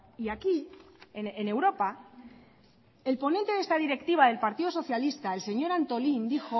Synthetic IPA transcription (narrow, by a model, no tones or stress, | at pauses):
iaki | eene̞wɾo̞pa | e̞lpo̞nent̪e̞ðest̪aðiɾe̞kt̪iβ̞aðe̞lpaɾt̪iðo̞so̞θjalist̪aelse̞ɲo̞ɾant̪o̞lind̪ixo̞